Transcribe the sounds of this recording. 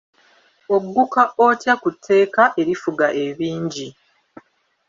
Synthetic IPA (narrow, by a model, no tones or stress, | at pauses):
o̞ɡːukaʔocjakutʰːe̞ːkaʔe̞ɾifuɡaʔe̞βiːɲɟi